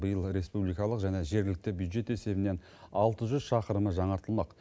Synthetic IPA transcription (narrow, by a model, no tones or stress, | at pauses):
bəjəlˠɾe̞spublijkɑlˠəqʒæne̞ʒe̞ɾɡlɪk̚t̪ɪbjud̪ʒe̞t̪e̞se̞bɪne̞n | ɑlˠt̪əʒʏzʃɑqəɾəməʒɑɴɑɾt̪əlˠmɑq